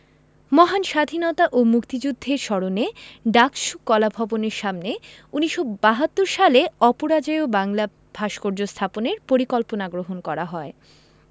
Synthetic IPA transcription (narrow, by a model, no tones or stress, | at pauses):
mɔɦanʃad̪ʱinɔt̪aʔomukt̪id͡ʑud̪ʱːeɾʃɔɾoneɖakʃukːɔlabʱɔboneɾʃamneuniʃobaɦat̪ːoɾʃaleɔpoɾad͡ʑajobaŋla | b̥ʱaʃkoɾd͡ʑost̪ʰaponeɾpoɾikɔlponaɡɾoɦonkɔɾaɦɔe